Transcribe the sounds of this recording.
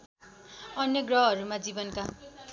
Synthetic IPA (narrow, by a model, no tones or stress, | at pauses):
ʌnjʌɡrʌɦʌɾumad͡zibʌnka